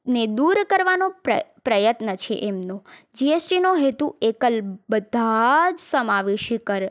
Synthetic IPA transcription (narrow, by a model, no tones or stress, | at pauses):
ned̪uɾkəɾʋanoəpɾəjət̪nət͡ʃʰḛʔemnod͡ʒiesʈinoɦet̪uekəlbəd̪ʱad͡ʒsəmaʋeʃikəɾ